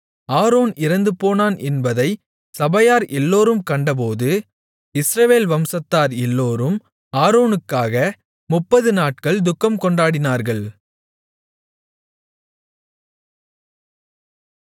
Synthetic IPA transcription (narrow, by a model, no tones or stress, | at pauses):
aːɾoːnɪɾɐnd̪ɯpoːnaːnʔɛnbɐðɐɪ | sɐbɐjaːɾʔɛlːoːɾɯmkɐɳɖɐp̬oːðɯ | ɪsɾɐʋeːlʋɐmsɐt̪ːaːɾɛlːoːɾɯm | aːɾoːnɯkːaːɣɐ | mʊpːɐðɯnaːʈ̚kɐɭd̪ʊkːɐmkɔɳɖaːɽɪnaːɾɣɐɭ